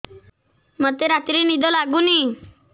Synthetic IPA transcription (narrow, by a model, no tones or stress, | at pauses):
mət̪eɾat̪ɾiːnid̪ʱɔlaɡuːni